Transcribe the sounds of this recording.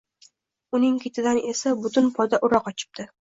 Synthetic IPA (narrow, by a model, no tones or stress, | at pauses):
ʊnɪŋkʲʰet̪ʰɪd̪ane̞sabʊt̪ʊnpʰɒjd̪aʔʊɾɒqɒt͡ʃʰɪ̥p̚d̪ɪ